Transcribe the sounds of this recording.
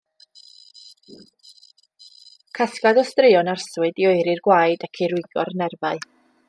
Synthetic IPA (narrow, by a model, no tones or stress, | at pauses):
kʰaskaðɔstrɪɔnarswɨdiɔɨɾirɡwajdakʰiɾʊɨɡɔ̰rnɛrvaɨ